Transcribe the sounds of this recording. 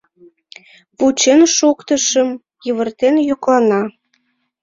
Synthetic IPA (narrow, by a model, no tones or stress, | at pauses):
put͡ɕenʃukt̪ə̆ʃə̆m | jəβərt̪enjoklɑnɑ